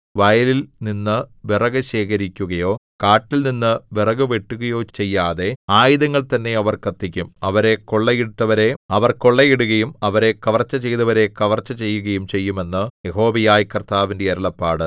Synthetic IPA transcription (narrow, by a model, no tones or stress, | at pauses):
ʋɐjɐlilninːɨʋirɐɣɐɕe̞ːkɐɾikʲːuɣɐjo̞ːkaːʈːilninːɨʋirɐɣɨʋe̞ʈːuɣɐjo̞ːt͡ɕe̞jːaːðe̞aːjiðɐŋːɐɭt̪ɐnːe̞ɐʋɐrkɐt̪ːikʲːumɐʋɐɾe̞ko̞ɭːɐjiɽut̪ːɐʋɐɾe̞ɐʋɐrko̞ɭːɐjiɽuɣɐjumɐʋɐɾe̞kɐʋɐrt͡ɕːɐt͡ɕe̞jðɐʋɐɾe̞kɐʋɐrt͡ɕːɐt͡ɕe̞jːuɣɐjumt͡ɕe̞jːume̞nːɨjeɦo̞ːbɐjaːjkɐrt̪aːʋindeɐɾɐɭɐpːaːɽɨ